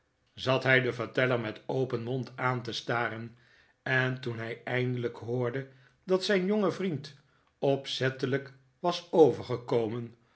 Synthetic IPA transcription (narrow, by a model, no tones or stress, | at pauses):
zɑtɦɛjdəvəɹtɛləɹmɛtowpənmɔntaːntəstaːɾən | ɛntunɦɛjɛjndələkɦʊːɹdə | dɑtsɛjnjoŋəvrint | ɔpsɛtələk | ʋɑsowvəɹχəkowmən